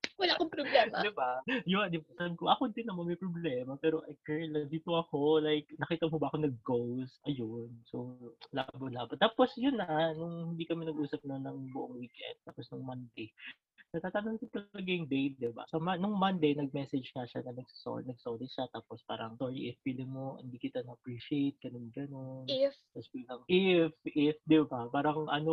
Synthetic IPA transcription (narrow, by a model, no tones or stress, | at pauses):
wɐlakoŋpɾoblɛmdd̪ɪbajʊɐd̪ɪbasɐɐŋkoʔɐkond̪ɪnːɐmɐnmɐjpɾoblɛmɐpɛːɾoʔɐjkɛɹɛlɐd̪iːt̪oɐko̞lajk̚nɐkiːt̪ɐmɦobɐʔɐkonɐɡ̚ɡowsʔɐjonsola̰bɐlaːbɐt̪aːposjʊnːɐnʊŋhɪnd̪iːkɐmɪnɐɡʔuːsɐp̚nonːɐŋbʊʔoŋwiːkɛ̰nd̪̚t̪aːposnʊŋmɐnd̪ej | nɐɡ̚t̪aːt̪ɐnoŋkot̪ɐlɐɡajʊŋd̪ej̚d̪ɪba̰sɐmɐnʊŋmɐnd̪ejnɐɡ̚mɛsɛd͡ʒŋɐʃanɐnɐɡsɐ̥so̰ːnɐɡ̚soːlɪʃat̪aːpospa̰ːɾɐŋtoɹḭʔɪfpilɪmohɪ̰nd̪iːkɪt̪anɐʔɐpɹiːʃiejt̪̚ɡ̥ɐnonɡɐnont̪ɐsbilɐŋʔɪfʔɪfd̪ɪbbapaːɾɐŋʔɐno